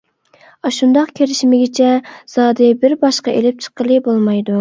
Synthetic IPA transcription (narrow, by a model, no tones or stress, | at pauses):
ɑʃund̪ɑqkʲʰelɪʃmɪɡʲɪt͡ʃʰɛz̥ɑːd̪ɨbɪɾbɑʃqɑʔelɪp̚t͡ʃʰə̥qəlˠɨbolˠmɑjd̪u